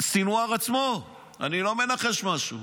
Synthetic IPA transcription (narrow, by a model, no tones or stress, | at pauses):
sinuaʁat͡smo | a̰nilo̞me̞naχe̞ʃmaʃu